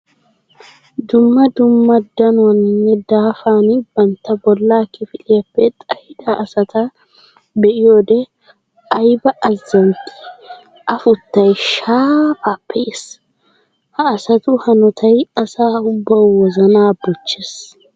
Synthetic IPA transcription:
d̪ʊmːɐd̪ʊmːɐd̪ɐnʊɐnːɛd̪aːfaːnbɐnt̪ːɐbɔlːaːkɪfɪlɪjɐpːɛt̪ʼɐhɪd̪aʔɐsɐt̪ɐ | bɛʔɪjoːd̪ɛ | ʔɐjbɐʔɐzːɐŋkʼːɪ̥ | ʔɐfʊt̪ːɐjʃaːfaːpːɛʔɪs | hɐːsɐt̪ʊhɐnɔt̪ʰɐjɐsaːʊbːɐwwɔzɐnaːbɔt͡ʃːes

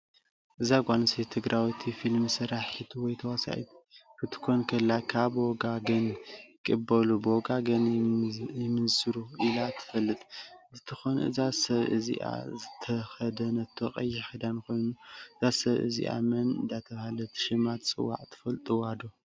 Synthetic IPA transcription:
ʔɨzaɡʷʼanɨsit̪ʰɨɡɾʔawit̪ʰifilmɨsɨɾaħit̪ʰwɔjt̪ʰɐwasa̰ʔḭt̪ʰkʰɨt̪ʰɨ̥kʰonkʰɐlːakʰabwoɡaɡɐnkʼɨbɐlubɨoɡaɡɐn | jɛmɨnsɨɾuʔilat̪ʰɨ̥fɐlːɨt̪ʼzɨt̪ʰɨxonʔɨ̰zasɐβʔɨ̰zḭʔa̰zɨt̪ʰɐxɐd̪ɐnɐt̪ʰːoχʼɐ̰jːɛxɐd̪ankʰo̞jnuɨzasɐβʔɨ̰zḭʔa̰mɐnɨ̰nd̪at̪ʰɐβahalɐt̪ʰʃɨmat̪t͡sʼɨ̰wːa̰ʕt̪ʰɨ̥fɐlt̪ʼuwad̪o

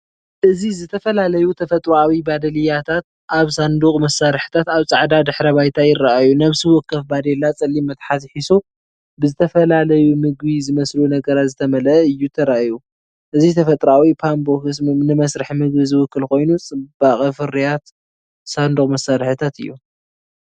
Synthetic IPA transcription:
ʔɨzizɨt̪ʰɐfɐlalɐjut̪ʰɐfɐt̪ʼɾawibad̪ɐlɨjat̪ʰat̪̚ | ʔaβsand̪uχʼmɐsːaɾħɨ̥t̪ʰat̪aβt͡sʼaʕd̪ad̪ɨħɾɐβajt̪ʰajɪrːaʔajunɐβsɨwɔkːɐfbad̪elat͡sʼɐlːimːɐt̪ħat̪ħisu | bɨzɨt̪ʰɐfɐlalɐjumɨɡβizɨmɐslunɐɡɐɾat̪zɨt̪ʰɐmɐlɐʔɨjːut̪ʰɐɾaʔju | ʔɨzit̪ʰɐfɐt̪ʼɾawipʰambokɨsnɨmɐsɾɨħmɨɡbizɨwʊkːɨlko̞jnut͡sʼɨb̥aχʼɐfɨɾijat̪ | sand̪ukʼmɐsaɾħɨt̪ʰat̪ɨ̰jːu

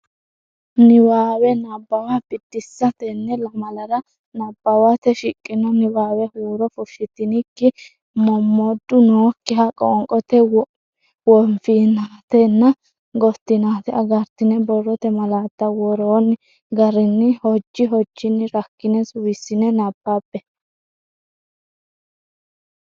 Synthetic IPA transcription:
nɪwaːwɛnɐbːɐwabɪd̪̥ːɪsːɐt̪ɛnːɛlɐmɐlɐɾɐ | nɐbːɐwat̪ɛʃɪkʼːɪnɔnɪwaːwɛhuːɾɔfʊʃːɪt̪ɪnɪkːɪ | mɔmːɔd̪ːʊnoːkːɪɦɐkʼɔ̰ŋkʼɔt̪ɛ | wɔɱfiːnaːt̪ɛnːɐ | ɡɔt̪ːɪnaːt̪ɛɐɡɐɾt̪ɪnɛbɔrːɔt̪ɛmɐlaːt̪ːɐwɔɾoːnː | ɡɐɾɪnːɪhɔd͡ʒːɪɦɔd͡ʒːɪnːɪɾɐkːɪnɛsʊwɪsːɪnɛnɐpːaːpːɛ

